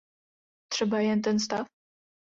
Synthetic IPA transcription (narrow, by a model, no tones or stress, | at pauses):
t̪ʂɛbajɛnt̪̬ɛnst̪af